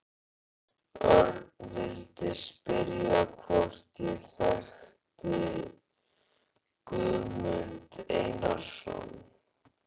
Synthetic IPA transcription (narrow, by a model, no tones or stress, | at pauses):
œɾvɪlt̪ɪ̥spɪɾjakʰvɔr̥t̪ɪθaxt̪ɪ | kœmʏnt̪ejnasɔ̰n